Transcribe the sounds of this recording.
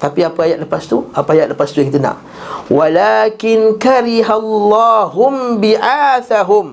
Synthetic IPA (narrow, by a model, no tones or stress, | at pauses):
t̪apiapaajat̪̚ləpast̪uapaajaʔ̪ləpast̪ujaŋkit̪əna̰ʔ | walaːkɪnkaɾiɦalːɑɦʊmbiʔaːθaɦʊm